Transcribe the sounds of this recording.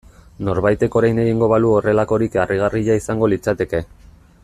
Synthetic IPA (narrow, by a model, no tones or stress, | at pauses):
no̞ɾβajt̪e̞ko̞ɾajne̞ɣiŋɡo̞βaluo̞re̞lako̞ɾikariɣ̞ariʎaisaŋɡo̞lit͡sat̪e̞ke̞